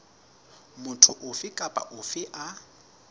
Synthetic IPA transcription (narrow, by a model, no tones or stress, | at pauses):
mʊtʰʊʔʊfɪkʼapʼa̰ʔʊfɪʔa